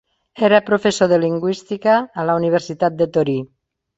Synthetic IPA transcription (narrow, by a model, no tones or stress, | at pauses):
eɾapɾofesoðeliŋɡwist̪ikaːlauniβ̞eɾsit̪at̪̚d̪et̪oɾi